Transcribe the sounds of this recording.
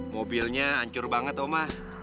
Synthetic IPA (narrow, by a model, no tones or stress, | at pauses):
mobilɲaaɲt͡ʃʊrbaŋət̪omah